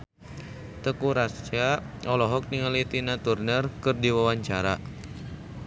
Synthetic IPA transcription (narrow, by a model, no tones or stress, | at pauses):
t̪əkuɾast͡ʃa | ɔlɔɦɔk̚niŋalit̪inat̪urnərkɨrdiwawaɲt͡ʃaɾa̰